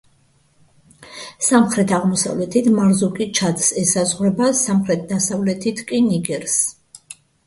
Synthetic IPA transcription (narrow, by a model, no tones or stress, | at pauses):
samχɾɛt̪ʰaʁmɔsa̰vlɛt̪ʰit̪ʰmaɾzukʼit͡ʃʰad̪sɛsazʁɾɛbasamχɾɛt̪̚ʰd̪asavlɛt̪ʰit̪ʰkʼiniɡɛɾs